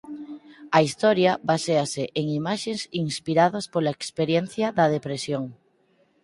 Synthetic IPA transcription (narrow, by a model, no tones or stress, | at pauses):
ɐist̪ɔɾjɐβaseaseʔeŋimaʃesiŋspiɾaðaspolaekspeɾjen̟θjɐðɐðepɾesjoŋ